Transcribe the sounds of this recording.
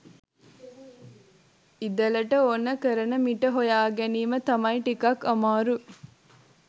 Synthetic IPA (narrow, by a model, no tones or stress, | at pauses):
id̪ɐlɐʈəonːəkəɾɐnɐmiʈəɦojaːɡeniːmət̪ɐmɐiʈikɐkːɐmaːɾu